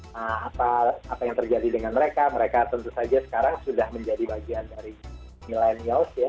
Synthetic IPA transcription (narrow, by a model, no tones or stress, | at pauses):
əapaapajaŋt̪ərd͡ʒadidəŋanməɾekaməɾekat̪ənt̪usad͡ʒasə̥kaɾaŋsudahməɲd͡ʒadibaɡiandaɾi | milenialsja